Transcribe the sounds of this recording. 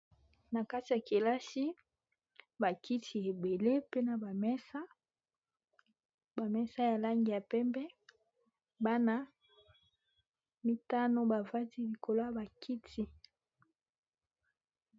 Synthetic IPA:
na˨ka˦ti˨ja˨ke˨la˦ʃi˦ | ba˨kʰi˦tʰi˨e˨be˨le˦pe˦na˨ba˨mɛ˦sa˦ | ba˨mɛ˦sa˦ja˨la˦ŋɡi˨ja˨pɛ˦mbɛ˦ | ba˦na˦ | mi˦ta˦no˦ba˨va˦ti˦li˨kʰo˨lo˦a˨ba˨kʰi˦tʰi˦

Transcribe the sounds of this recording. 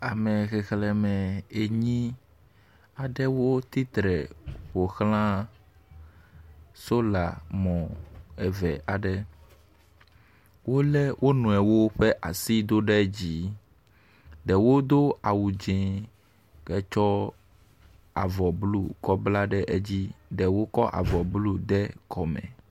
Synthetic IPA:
a˨mɛ˨xɛ˨xlɛ˨mɛ̃˨e˨ɲĩ˦ | a˨ɖɛ˦wo˦t̪i˦t̪ɾɛ˨ɸo˨xlã˦ | so˦la̰˨mɔ̃˨ɛ˨vɛ˨ʔa˨ɖɛ˦ | wʔo˦lɛ˦wʔo˦nũ˨ɛ˨wo˦ɸɛ˦ʔa˨si˦d̪o˦ɖɛ˦d͡ʑi˦ | ɖɛ˨wo˦d̪o˦a˨wu˨d͡ʒɛ̃˨ | kɛ˦t͡ʃɔ˦ | a̰˨vɔ˨blu˦kɔ˦bla˦ɖɛ˦ʔe˦d͡ʑi˦ɖɛ˨wo˦kɔ˦ʔa̰˨vɔ˨blu˦d̪ɛ˦kɔ˨mɛ̰˨

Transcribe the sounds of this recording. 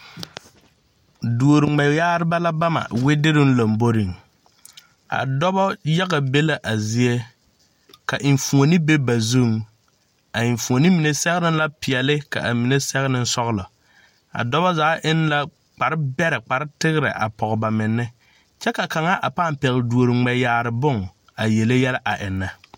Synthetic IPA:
du˨o˨ɾɪ˨ŋ͡mɛ˨jjaː˦ɾɪ˦ba˦la˦ba˦ma̰˨wɪ˦dɪ˦ɾɪ˦n˦la˨mbo˦ɾi˨ŋ | a̰˨dɔ˦bɔ˦ja˦ɣa˨be˦la˦ʔa˨zi˦e˦ | ka˨ʔɪ˨ɱ˨fu˨o˨ni˦be˦ba˨zu˦˨ŋ | a˨ɪ˨ɱfu˨o˨ni˦mi˨ne˨sɛ˦ɣɪ˦nɪ˦n˦la˦pɪ˨ɛ˨lɪ˦ka̰˨ʔa˨mi˨ne˦sɛ˦ɣnɪ˦n˦sɔ˦ɣlɔ˨ | a̰˨dɔ˦bɔ˦zaː˨˦ʔɪ˦nla˦ | k͡pa˨ɾɪ˦bɛ˦ɾɪ˨k͡pa˨ɾɪ˦tɪ˦ɣɪ˦ɾɪ̰˨ʔa̰˨pɔ˨ɣba˨mɪ˨nːɪ˦ | t͡ʃɛ˦ka˨ka˨ŋa˦ʔa˨paː˦˨mpɛ˨ɣɪ˨du˨o˨ɾɪ˨ŋ͡mɛ˨jaː˨ɾɪ˨bʊ˦ŋ | a˨je˨le˦jɛ˦la˦ʔa˨ʔɪ˨nːa˨

